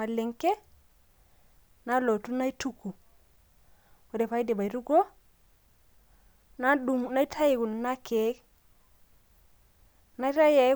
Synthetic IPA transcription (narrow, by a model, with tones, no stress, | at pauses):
a˨lɪ˨ŋke˦ | na˦lo˨tu˦na˦i˦tu˦ku˨ | wo˨de˨pa˦i˦de˨ba˨i˨ɾu˦ɡo˦ | na˦du˨ŋna˦i˦tʰa˦ji˨ku˨n˨na˦ke˨˦k | na˦ta˦je˨˦